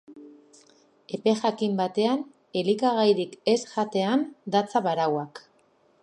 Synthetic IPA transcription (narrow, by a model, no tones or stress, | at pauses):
e̞pe̞ʝakimbat̪e̞an | e̞likaɣ̞ajɾike̞sʝat̪e̞and̪at͡saβaɾawak